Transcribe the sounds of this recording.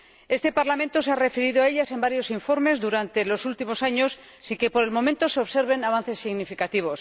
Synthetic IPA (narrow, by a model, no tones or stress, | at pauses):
e̞st̪e̞paɾlamẽ̞nt̪o̞seare̞feɾiðoae̞ʎase̞mbaɾjo̞siɱfo̞ɾme̞zðuɾant̪e̞lo̞sult̪imo̞saɲo̞sː | iŋke̞po̞ɾe̞lmõ̞mẽnt̪o̞seo̞βse̞ɾβe̞naβan̟θe̞sːiɣnifikat̪iβ̞o̞s